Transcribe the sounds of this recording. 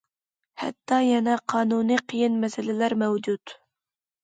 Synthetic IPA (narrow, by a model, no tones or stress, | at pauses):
hɛ̰t̪ʰːɑjɛnɛqʰɑːnuniqʰəjɪnmɛsɪlɪlæɾmɛwd͡ʒut̪